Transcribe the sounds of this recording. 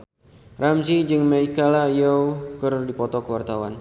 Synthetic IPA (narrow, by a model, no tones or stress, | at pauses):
ramsid͡ʒɨŋmaikalajowkərdipɔt̪ɔkəwart̪awan